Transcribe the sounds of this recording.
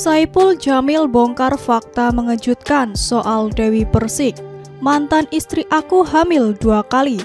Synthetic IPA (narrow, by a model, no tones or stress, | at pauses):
saipʊld͡ʒamɪlbɔŋkarfak̚t̪aməŋəd͡ʒut̪̚kansoʔaldawipərsɪk̚ | mant̪anist̪ɾiʔakuɦamɪlduakali